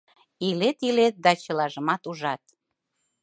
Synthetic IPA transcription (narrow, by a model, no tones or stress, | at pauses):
ilet̪ilet̪̚d̪ɑt͡ɕə̆lɑʒəmɑt̪uʒɑt̪